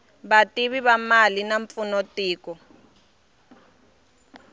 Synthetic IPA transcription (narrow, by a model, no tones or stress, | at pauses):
batiβiβamalinaɱp̪funotiːkɔ